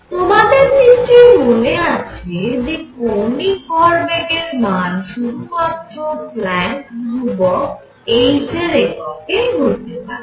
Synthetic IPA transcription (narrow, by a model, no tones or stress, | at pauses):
t̪omad̪eɾniʃejmoneat͡ɕʰed͡ʑekonikɔɾbeɡeɾmanʃud̪ʱumat̪ːɾoplɛɳk̚ɾubɔk | ejd͡ʑʰʱeɾekɔkejɦot̪epaɾe